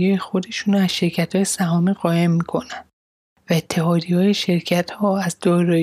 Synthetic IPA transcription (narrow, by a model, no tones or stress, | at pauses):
ɒːjexod̪e̞ʃuːnæzʃe̞ɾcʰæt̪hɒːjesæɦɒːmiːɢɒːje̞mːiːkʰo̞nænd̪̥ | væet̪ʰːe̞ɦɒːd̪iɒːje̞ʃe̞ɾcʰæt̪hɒːæzd̪ɒːɾɒː